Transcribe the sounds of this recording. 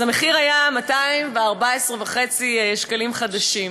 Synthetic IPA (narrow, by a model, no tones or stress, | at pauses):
zame̞χiʁajamataimveaʁbaesʁevaχe̞t͡sieʃkalimχad̪aʃim